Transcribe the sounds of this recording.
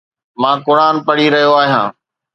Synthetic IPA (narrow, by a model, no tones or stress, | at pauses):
mãːkʊɾaːnpɐɽiɾɐɦjoaːɦijã̰ː